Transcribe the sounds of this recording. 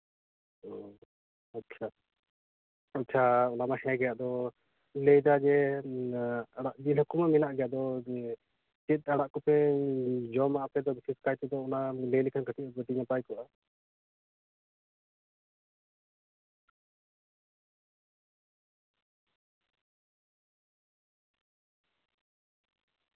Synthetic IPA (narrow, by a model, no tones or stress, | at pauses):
ɔ | atːt͡ʃʰa | atːt͡ʃʰaɔnamahɛ̃ɡɛjaʔd̪ɔ | lɛjd̪ad͡ʒɛ | aɽaʔd͡ʒilɦukumaminaʔɡɛjad̪ɔ | t͡ʃit̪̚ˀaɽaʔkɔpɛ | d͡ʒɔmapɛd̪ɔbisiskajt̪ɛd̪ɔɔnalejlikʰankat̪ʰit̪bəʈiɲapajkɔʔa